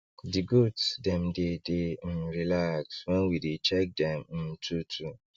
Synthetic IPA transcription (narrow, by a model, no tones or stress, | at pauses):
dɪɡutdɛmdɪdɪn̩ɾilakswɛ̃nwidet͡ʃɛk̚dɛ̃mn̩tʰutʰu